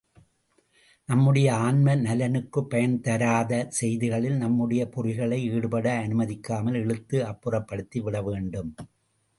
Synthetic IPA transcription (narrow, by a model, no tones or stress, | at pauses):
nɐmːɯɽɐjɐaːɳmɐnɐlɐnɯkːɯpːɐjɐnt̪ɐɾaːðɐsɛjðɪɣɐɭɪlnɐmːɯɽɐjɐpʊɾɪɣɐɭɐɪiːɽɯpɐɽɐːnɯmɐðɪkːaːmɐlɛɭɯt̪ːɯɐpːɯrɐpːɐɽɯt̪ːiʋɪɽɐʋeːɳɖɯm